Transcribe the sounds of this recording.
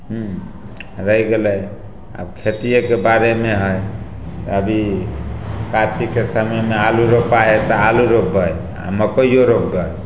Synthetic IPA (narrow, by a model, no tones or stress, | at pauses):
ɦũ | ɾəjɡeləj | a̰bkʰet̪ijəkebaɾemeɦəj | t̪əbʱi | kat̪ikesamemealuɾopaet̪ɔaluɾobəj | a̰məpəijoɾopːə